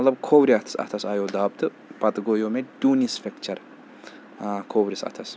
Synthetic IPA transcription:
ɐlɐbkʰowɾʲiat̪ʰɐ̥sɐ̰t̪ʰɐsajod̪aːb̚t̪ɨ | b̥at̪ɨɡojomed̪̥unisfʲɛkt͡ʃʰɐɾ | kʰowɾʲisɐ̰t̪ʰɐs

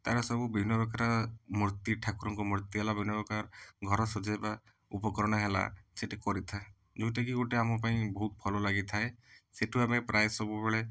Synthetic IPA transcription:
t̪aɾɔsɔbubʱinːɔɾɔkaɾɔmuɾt̪iʈʰakuɾɔŋkumɔɾt̪iɦelabʱinːɔɾɔkaɾɡʱɔɾɔsɔd͡ʒajba | upɔkɔɾɔɽ̃ɔɦela̰seʈikɔɾit̪ʰae | d͡ʒũt̪ekiɡoʈeamɔpaĩbɔɦut̪̚pʰɔlɔlaɡit̪ʰaeseʈʰuamepɾajsɔbubeɭe

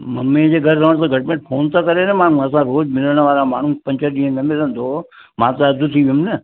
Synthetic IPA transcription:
mɐmẽd͡ʑeːɡʱɐɾɾəʋəɽ̃t̪ãɡʱɐʈmẽːɳʈfʰoːnt̪akɐɾenəmaːɳ̤ũɐs̬ãɾoːd͡ʑmɪləɽ̃əʋaːɾama̰ːɳ̤ũpɐ̃ɲt͡ɕəɗĩːə̃nɐmɪlə̃n̆d̪ʱo | mãːt̪aɐd̪ʱut̪ʰiʋiʊmnə

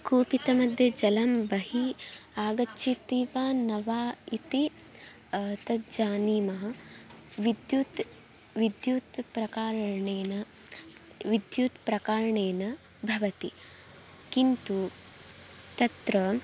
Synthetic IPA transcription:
kuːpit̪ɐmɐd̪ʱjɐd͡ʒɐlɐmbɐɦiaːɡɐt͡ʃːʃʰit̪iːʋaːnɐʋaːit̪i | t̪ɐd͡ʒaːniːmɐɦɐ̆ | ʋid̪jut̪ | ʋid̪juːt̪pɾɐkaːɾɐɳeːnɐ | ʋid̪juːt̪pɾɐkaːɾɐɳeːnɐ | bʱɐʋɐt̪i | kint̪u | t̪ɐt̪ɾɐ

